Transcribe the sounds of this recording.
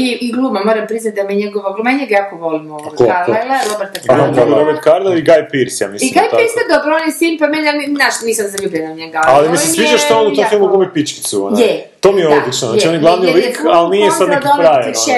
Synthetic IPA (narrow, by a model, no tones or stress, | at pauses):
iiɡlˠumamoːɾampɾiznat̪̚d̪amiɲɛɡoʋaɡlumaɲeɡajakoʋolimokoalelelobeɾt̪aaot̪obiɾobeɾt̪kaɾd̪aiɡajpiɾsja̰misimɡajpiɾst̪ad̪obɾonisiːnpamenaminaʃniːsamzaʎuːbjenaɲeɡaalimisesʋid͡ʒaʃt̪aonut̪ommfilmuɡlumipit͡ʃki̥t̪suo̰njɛt̪oːmijeod̪lit͡ʃnoznat͡ʃionjeɡlˠaʋnilikalnijesad̪kiopɾajeʃe